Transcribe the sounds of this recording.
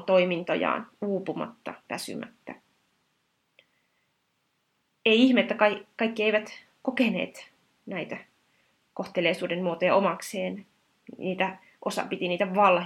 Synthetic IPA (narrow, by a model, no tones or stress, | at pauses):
t̪o̞imint̪o̰jɑ̰ːnuːpumɑ̰t̪ːɑ̰ʋæsy̰mæ̰t̪ːæ | eiiçmeːt̪ːækɑkɑikːieiʋæt̪ | kokenḛːt̪ | næit̪æ | koht̪eleːsuːdenmuot̪ojɑomɑkseːn | niːt̪æ | ʔosɑ̰pit̪iniːt̪æʋɑlh